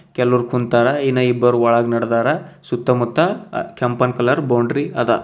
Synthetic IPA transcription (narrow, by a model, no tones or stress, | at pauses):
kɛlːuɾkʰunt̪aːɾɐinːɐibːɐɾuɐɭɐɡnɐɽd̪aːɾɐsut̪ːɐmut̪ːɐkʰɐmpɐnkɐlɐɾbɐwɳɖɾiɐd̪ɐ